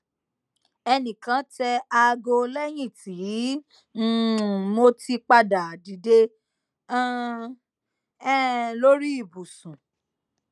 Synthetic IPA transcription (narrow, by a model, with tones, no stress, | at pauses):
ɛ˧nĩ˨kã˨˦tɛ˧a˧ɡo˧lɛ˦j̃ĩ˦˨ti˨˦ | n̩˦mo˦ti˧k͡pa˧da˨di˨de˦ | lo˦ɾi˦i˦˨bu˨sũ˨